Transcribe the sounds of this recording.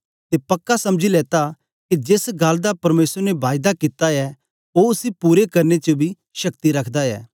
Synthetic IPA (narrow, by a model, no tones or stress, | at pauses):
t̪epɐkːasɐmd͡ʒilɛːt̪a | kid͡ʒeːsɡald̪apɐɾmeːsəɾnebaːjd̪akit̪aɛ | oʊsipuːɾekɐɾnet͡ʃobʱi | ʃɐkt̪iɾɐkʰd̪aɛ̰ː